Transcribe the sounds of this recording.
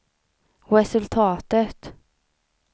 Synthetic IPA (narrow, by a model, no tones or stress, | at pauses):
ɾɛsʉlt̪ʰɑːt̪ət̪